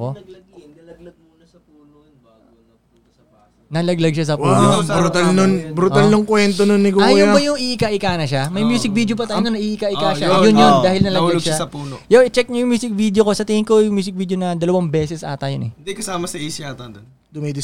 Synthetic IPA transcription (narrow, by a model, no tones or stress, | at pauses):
o | ɡɡ̪̚ | u | nɐlɐɡlɐɡʃas̬ɐpuːnobɾut̪alnonbɾut̪alnoŋkwɛnt̪ononːɪɡoajoabɐjʊŋiʔkaʔɪkaːnɐʃamɐjmjuːsɪk̚viːd̪jop̬ɐt̪aːjnonɐʔiːʔɪkaʔɪkaʃajʊnjond̪aːhɪlnɐlɐɡlɐɡʃasɐpuːnojoʔɪt͡ʃɛk̚ɲɐjʊŋmjuːsɪk̚vid̪jokosɐt̪ɪŋɪŋkojʊŋmjuːs̬ɪk̚viːd̪jonɐd̪ɐlɐwɐŋbɛːsɛsʔa̰ːt̪ɐjonɛ̰ɪnd̪ikɐsaːmɐsɐʔisɪaːt̪ɐnd̪on | d̪ʊmɛjd̪ɪ